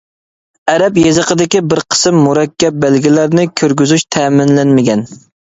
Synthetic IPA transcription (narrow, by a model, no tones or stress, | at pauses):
ɛɾɛpjezəqʰəd̪ɪkʲibɪɾqʰə̥sɨmːuɾɛkʲːɛp̚bælɡʲilæɾnɪkʲʰøɾɡʲyzyʃt̪ʰɛːmɪnlænmɪɡʲɛn